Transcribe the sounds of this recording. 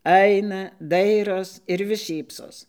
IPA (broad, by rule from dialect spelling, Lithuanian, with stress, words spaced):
ˈɐɪnɐ ˈdɐɪroːs ɪr ʋʲɪs ˈʃʲiːpsoːs